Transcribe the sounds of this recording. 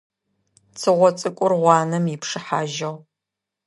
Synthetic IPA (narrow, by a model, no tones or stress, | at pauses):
t͡sʰɨʁʷɔt͡sʼɨkʷʼʊrʁʷɑːnɐmjɪpʂɨħaːʒɐʁ